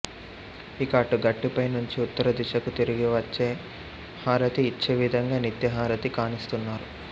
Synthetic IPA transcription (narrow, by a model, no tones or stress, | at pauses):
ikaːʈuɡɐʈːipɐjnuɲt͡ʃiut̪ːɐɾɐd̪iʃɐkut̪iɾiɡiʋɐt͡ʃːeː | haːɾɐt̪iːt͡ʃːeʋid̪ʱɐŋɡaːnit̪jɐɦaːɾɐt̪ikaːnist̪unːaːɾu